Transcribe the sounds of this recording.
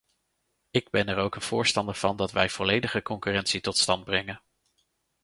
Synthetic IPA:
ɪɡ̚bɛnɛɹowkənv̥ʊːɹstɑndəɹv̥ɑndɑtʋɛjv̥ɔlejdəχəkɔŋkyrɛntsitɔtstɑnd̚brɛŋən

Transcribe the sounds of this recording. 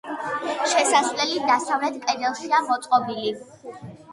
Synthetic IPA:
ʃɛsasvlɛlid̪asavlɛt̪kʼɛd̪ɛlˠʃiamɔt̪sʼqʼɔbili

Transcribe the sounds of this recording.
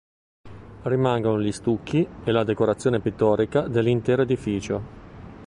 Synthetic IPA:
rimaŋɡonoʎist̪ukːielad̪ekoɾat̪sːjoːnepit̪ːɔːɾikad̪elːint̪ɛːɾoed̪ifiːt͡ʃo

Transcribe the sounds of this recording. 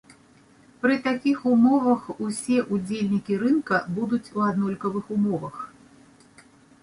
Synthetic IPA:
pɾɨt̪akʲixumɔvɐxusʲɛʔud͡zʲelʲnʲikʲiɾɨnkɐbud̪ut͡sʲuad̪nɔlʲkɐvɨxumɔvɐx

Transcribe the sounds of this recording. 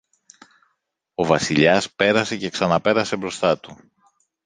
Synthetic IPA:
o̞vɐsiʎɐspe̞ɾɐse̞ce̞ksɐnɐpe̞ɾɐse̞bɾo̞st̪ɐt̪u

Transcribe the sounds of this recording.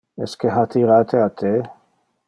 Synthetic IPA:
ɛskeɦat̪ʰiɾat̪ʰeat̪ʰe

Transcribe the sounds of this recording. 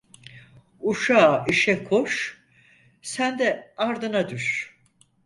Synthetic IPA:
uʃaːiʃɛkʰoʃ | sænd̪ɛaɾd̪ɯnad̪yʃ

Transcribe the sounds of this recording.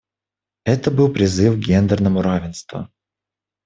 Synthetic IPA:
ɛt̪əbɨlˠpɾʲɪzɨfɡʲend̪ərnəmʊɾavʲɪnst̪və̰

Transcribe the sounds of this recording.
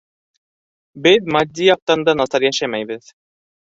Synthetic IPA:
bɘðmad̪ʲːijɑq̚t̪ɑnd̪ɑnɑsɑɾjæʃæmæjbɘð

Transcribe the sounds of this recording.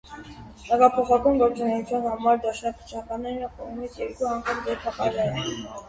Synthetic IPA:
h̪ɛkɑpʰɔχɑkɑnɡɔɾt͡sunɛjut͡sʰjɑnhɑmɑɾd̪ɑʃnɑkʰət͡ʃʰɑkɑnɛɾəkɔʁmit͡sʰjɛɾkuɑŋkʰɑmd͡zɛɾpʰɑkɑɾɛɾə

